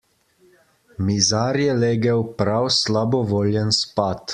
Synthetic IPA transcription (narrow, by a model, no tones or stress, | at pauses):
mizaːɾjɛleːɡɛwpɾawslabɔʋoːlʲjɛnspat̪